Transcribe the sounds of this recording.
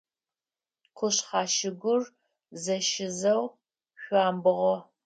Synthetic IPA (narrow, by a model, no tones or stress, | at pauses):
kʷʰʊɕχɑːʃɪɡʷʊr | zɐʃɪzɐw | ɕʷɑːmbɨʁɔ